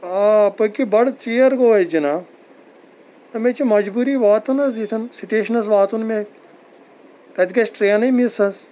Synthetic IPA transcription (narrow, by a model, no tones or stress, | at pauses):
aːpɨkibɐɽt͡ʃijɐɾɡoːɐd͡ʒina | ɐmet͡ʃimɐd͡ʒbuːɾiʋaːt̪unɐs̬it̪ʰɐnsiʈeːʃɐnɐsʋaːt̪unme | kɐt̪ikɐsʈɾeːɐnɐimisɐs